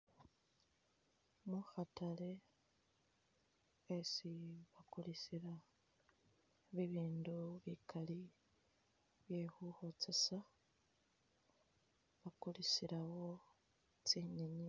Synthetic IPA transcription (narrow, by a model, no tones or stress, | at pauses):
muxatale̞ | esiβakulisiɾa | βiβiːnduβikʰali | βjehuhot͡sesa | βakulisiɾawo̞ | t͡siɲiɲi